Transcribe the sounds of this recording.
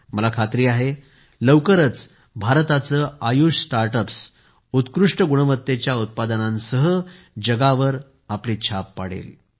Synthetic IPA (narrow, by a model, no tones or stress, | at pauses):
məlakʰat̪ɾiːaɦe | ləwkəɾət͡s | bʱaɾt̪at͡səːajuɕsʈaɾʈəps | ut̪kɾuʂʈəɡuɳəʋət̪ːet͡ɕjaut̪̚pad̪ənãnsəɦə | d͡ʑəɡaʋəɾ | apliːt͡ɕʰapːa̰ɽ̤ḛl